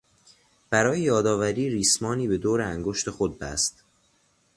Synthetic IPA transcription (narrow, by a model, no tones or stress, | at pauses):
b̥æɾɒːjejɒːd̪ɒːvæɾiːɾiːsmɒːniːbe̞d̪oːɾeæŋɡoʃt̪e̞xo̞d̪̚bæ̰st̪